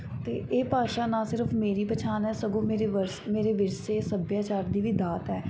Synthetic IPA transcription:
t̪eːʔeːpaːʃaːnãːsɪɾəfmeːɾiːpət͡ʃʰaːnɦɛːsəɡõːmeːɾeʋəɾsmeːɾeːʋɪɾseːsəbjaːt͡ʃaːɾd̪iːʋiːd̪aːt̪ɦɛː

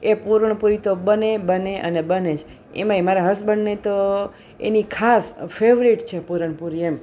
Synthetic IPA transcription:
epuɾəɳpuɾit̪obənebəneʔənebənet͡ʃʰ | ḛmãemaɾaɦəsbənːet̪o | ḛnikʰasfeʋɾiʈt͡ʃʰepuɾəɳ̃puɾiem

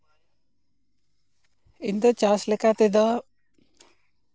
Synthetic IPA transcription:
ind̪ət͡ʃaslɛkat̪ed̪a

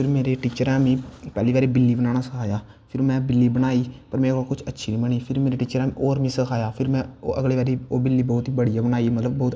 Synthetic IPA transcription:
pʰɪɾmeːɾeːʈiːt͡ʃəɾãːmĩːpɛːliːbaːɾeːbɪlːiːbənaːnaːsəkʰaːjaː | pʰɪɾmɛ̃ːbɪlːiːbənaːiːpəɾmɛ̃ːokʊt͡ʃʰətːʃʰiːnĩːbəɳiːpʰɪɾmeːɾeːʈiːt͡ʃəɾãmĩːʔoːɾʋĩːsəkʰaːjaːpʰɪɾmɛ̰̃ːʔə̰ɡleːʋaːɾeːoːbɪlːiːbɔːt̪iːbəɽijaːbənaːimət̪ləbbɔːt̪

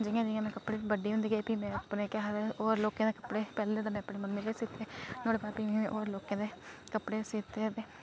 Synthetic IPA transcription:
d͡ʒijãːd͡ʒiːjãːmɛ̃ːkəpːɽeːbəɖeːɦʊnd̪iːɡeːpiːmɛ̃ːəpneːkaːɦad̪eoːɾloːkãːd̪eːkəpɽeːpɛːleːt̪aːmɛ̃ːəpneːmənːeːleːsit̪eːnoːɽeːbaːpiɛ̃ʔoːɾloːkãːd̪eːkəpɽeːsiːt̪eːt̪eː

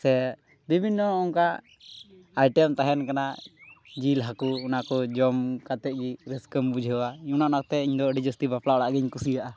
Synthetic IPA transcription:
sɛ | bibʱinːɔːŋka | ajʈɛmt̪aɦɛnkana | d͡ʒilɦakuːnakɔd͡ʒɔmkat̪ɛʔ̚ɡiɾɛskəmbud͡ʒʱɛwaiɲunaʔnak̚t̪ɛiɲd̪ɔɖid͡ʒəst̪ibapʰlaɽaʔɡɛɲkusijaʔa

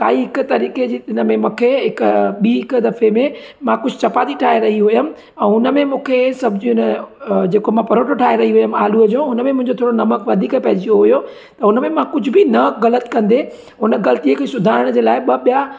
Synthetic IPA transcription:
k̪a̰ːiɦɪkʊ̆t̪ɐɾiːked͡ʑiːɪnə̆mẽmũːkʰeɦɪkɓiːɦɪkd̪ɐfemẽ | mãkʊd͡ʑʱʊt͡ɕʰɐpaːd̪iʈʰaːɦeɾɐɦiɦʊjəmɪ̃̆ | ɛ̃ːɦʊnəmẽmũːkʰesɐbʱɪd͡ʑiʊnəd͡ʑeːkomãpɐɾoːʈʰoʈʰaːɦeɾɐɦiɦʊjəmaːluəd͡ʑõʊnəmẽmʊ̃ɦɪ̃ɲd͡ʑot̪ʰoːɽonɐməkʋɐd̪ʱiːkpɐɦɪd͡ʑijoɦʊjo | t̪ɐʊnəmẽmãkʊd͡ʑʱʊ̆bɪnɐɣɐlət̪kɐ̃nd̪e | ɦʊnəɣɐlət̪iəkʰeːsʊd̪ʱaːɪɾəɽ̃d͡ʑeːlaːɪɓɐɓija

